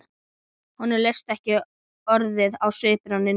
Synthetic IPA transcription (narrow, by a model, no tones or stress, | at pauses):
hɔnːɪɾlej̥st̪ɛhcɪ | ɔɾðɪðawsʏːpɪɾanːɪ